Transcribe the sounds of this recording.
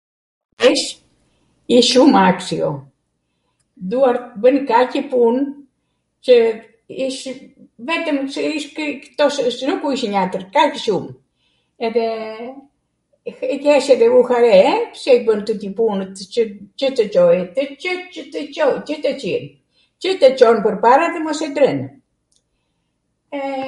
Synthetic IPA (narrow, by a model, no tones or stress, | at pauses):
iʃ | iʃumaksiɔ | d̪uaɾbənkacəpun | t͡ʃə | iʃ | vɛt̪əmsəiʃkkt̪ɔsəsnukuiʃɲat̪əɾkacəʃum | ɛðɛ | ikɛʃɛðɛuhaɾɛpsɛibənt̪ət̪ipunət̪t͡ʃət͡ʃət̪ət͡ʃɔjɛt̪ət͡ʃəət̪ət͡ʃɔjt͡ʃət̪ət͡ʃiɾ | t͡ʃət̪ət͡ʃɔnpəɾpaɾaðɛmɔsɛd̪ɾən | ɛ